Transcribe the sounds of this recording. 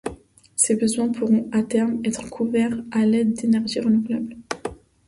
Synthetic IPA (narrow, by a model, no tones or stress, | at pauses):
sebəzwɛ̃pʰuʁɔ̃at̪ɛʁmɛt̪χkʰuvɛʁalɛd̪d̪enɛʁʒiʁənuvlabl